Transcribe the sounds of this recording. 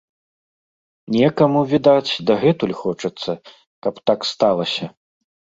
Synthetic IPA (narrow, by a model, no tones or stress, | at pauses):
nʲɛkɐmuvʲid̪at͡sʲd̪ɐɣɛt̪ulʲxɔt͡ʂɐt̪sːɐ | kɐpt̪akst̪alˠɐsʲɐ